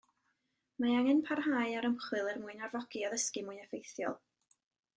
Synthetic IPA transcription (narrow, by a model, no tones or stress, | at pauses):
maaŋɛnpʰarhaːjaɾəmχwɨlˠɛrmuːɨnarvɔɡ̥iɔðəskɨmuːɨnɛfejθjɔ̰lˠ